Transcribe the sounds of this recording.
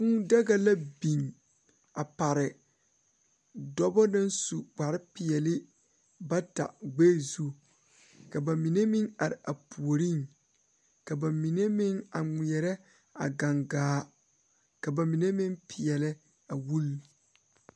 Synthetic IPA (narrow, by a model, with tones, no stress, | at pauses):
ku˦da˦ɡa˨la˦bi˨ŋ | a˨pa˨ɾɪ˨ | dɔ˦bɔ˦na˦n˦su˨ɡ͡ba˨ɾɪ˦pɪ˨jɛ˨lɪ˦ | ba˦ta̰˨ɡ͡be˦˨zu˦ | ka˨ba˨mi˨ne˦mɪ˦ŋa˨ɾɪ˨ʔa˨pu˨o˨ɾi˦˨ŋ | ka˨ba˨mi˨ne˦mɪ˦ŋa˨ŋi˨ɛ˨ɾɛ˦ | a̰˨ɡa˨ŋɡaː˨˦ | ka˨ba˨mi˨ne˦mɪ˦ŋpʰɪ˨ɛ˨lɪ˦ | a˨wu˦l